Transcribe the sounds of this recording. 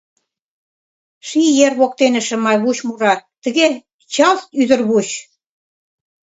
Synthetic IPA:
ʃijerβok̚t̪enə̆ʃə̆mɑjβuɕmuɾɑt̪ə̆ɣe | t͡ɕɑlst̪yðə̆rβuɕ

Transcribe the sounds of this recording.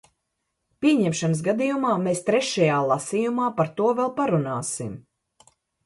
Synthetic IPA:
pʲiɛɲɛmʃanəs̬ɡad̪ijumaːmeːst̪ɾɛʃɛjaːlˠasijumaːpaɾt̪uɔvɛlˠpaɾunaːsim

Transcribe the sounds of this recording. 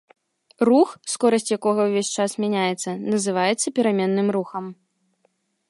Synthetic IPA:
ruxskɔɾɐsʲt͡sʲjakɔɣɐwvʲesʲt͡ʂasmʲanʲajɛt̪sːɐnɐzɨvajɛt̪sːɐpʲɛɾamʲɛnːɨmruxɐm

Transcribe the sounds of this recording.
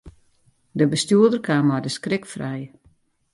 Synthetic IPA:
dəbəstjuədərkʰaːmɔdəskrɪkfrɛj

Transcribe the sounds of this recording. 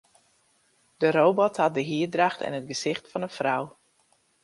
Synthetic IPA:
d̥əɾowbɔthɑt̚dəɦiədraxtɛ̰nɦət̚ɡəzɪxtfɑnənfraw

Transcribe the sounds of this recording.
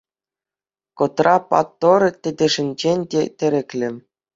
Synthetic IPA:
kŏt̪rɑpɑ̰t̪ːortʲɘ̆dʲɘ̆ʐɘ̆nʲd͡ʑenʲd̪ʲetʲɘ̆ɾʲɘ̆kʲlʲɘ̆

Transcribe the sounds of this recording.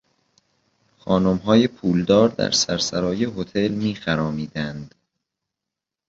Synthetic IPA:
xɒːnomɦɒːje̞pʰuːld̪ɒːɾd̪æ̰ɾsæɾsæɾɒːje̞ɦo̞t̪ʰe̞lmiːxæɾɒːmiːd̪ænd̪̥

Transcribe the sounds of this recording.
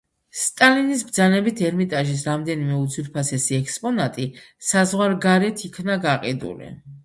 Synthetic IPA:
st̪ʼalinisbd̪zanɛbit̪ʰɛɾmit̪ʼaʒisɾamd̪ɛnimɛut̪sʰwiɾpʰasɛsiɛkʼspʼɔnat̪ʼi | sazʁwaɾɡaɾɛt̪ʰikʰnaɡaqʼid̪ṵlḭ

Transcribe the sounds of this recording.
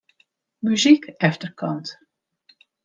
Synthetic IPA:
myzikɛftərkʰɑnt

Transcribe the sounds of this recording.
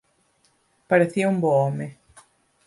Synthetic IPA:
paɾeθiɐũmboome

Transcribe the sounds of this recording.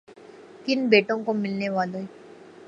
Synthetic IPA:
kɪnbeːʈõkomɪlneʋaːlõɦɛ

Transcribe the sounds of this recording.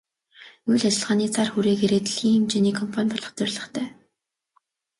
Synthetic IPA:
ujɮat͡ɕɪ̆ɮʁaːniːt͡sʰarxuɾeːɡeɾeːt̪ɮxiːŋimt͡ɕeniːkʰɔmpʰanʲt̪ɔɮɞ̆χt͡sœrʲɮə̆χt̪ʰœː

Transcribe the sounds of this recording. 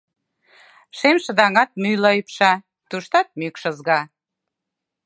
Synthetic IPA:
ʃemʃə̆d̪ɑŋɑt̪̚mylɤjpʃɑ | t̪uʃt̪ɑt̪̚mykʃə̆zɣɑ

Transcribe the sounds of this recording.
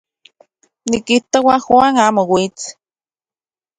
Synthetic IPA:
nikiht̪owaxwaːŋaːmowit͡s

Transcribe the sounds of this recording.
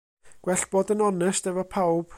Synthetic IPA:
ɡ̥wɛɬb̥ɔdənɔnɛsdɛvɔpʰawb̥

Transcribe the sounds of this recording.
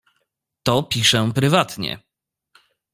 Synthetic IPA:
t̪ɔpʲiʂɛpɾɘvat̪ɲɛ̰

